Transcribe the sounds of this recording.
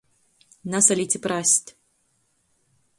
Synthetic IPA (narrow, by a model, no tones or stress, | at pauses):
nasalʲit͡sʲipɾasʲt̪ʲ